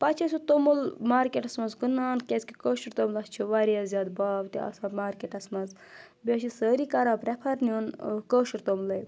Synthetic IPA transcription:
pɐt͡ʃʰɐsut̪omulmaːɾkʲeʈɐsmɐzɡunaːnkʲesʲkikoːʃɐɾt̪omlɐst͡ʃʰiʋaɾijɐzʲjaːd̪baːbt̪iɐ̰saːmaːɾkʲeʈɐsmɐz | bʲeʃisəːɾikɐɾaːpɾɛpʰɐɾnionkoːʃiɾt̪omlɐj

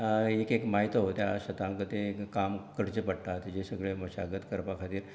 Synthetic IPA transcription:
ekekmaɦit̪oɦot̪jaɕət̪ãŋkət̪ekamkəɽt͡ɕepəɽʈ̪at̪id͡ʑesəɡɭeməɕa̰ɡət̪kəɾpakʰat̪iːɾ

